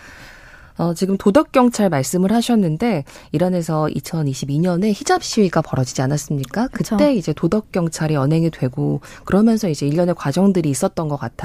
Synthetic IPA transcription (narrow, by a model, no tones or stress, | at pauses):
ʌt͡ɕiɡɯmtodʌk̚k͈jʌŋt͡ɕʰaɭmaɭs͈ɯmɯɭhaɕʰʌnːɯnde̞ | iɾane̞s̬ʰʌḭt͡ɕʰʌniɕʰibiɲʌne̞çid͡ʑap̚ɕ͈iwiɡapʌɾʌd͡ʑid͡ʑianas͈ɯmɲik͈akkɯt͈e̞id͡ʑe̞todʌk̚k͈jʌŋt͡ɕʰaɾiʌnɦe̞ŋidwe̞ɡo | kɯɾʌmjʌnsʰʌid͡ʑe̞iʎːʌne̞kwad͡ʑʌŋdɯɾiːs͈ʌt̚t͈ʌnɡʌk͈atʰa